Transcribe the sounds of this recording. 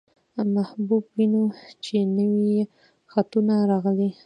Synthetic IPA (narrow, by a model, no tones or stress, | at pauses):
mahbubwinot͡ʃenəwi | xat̪unaɾɑɣli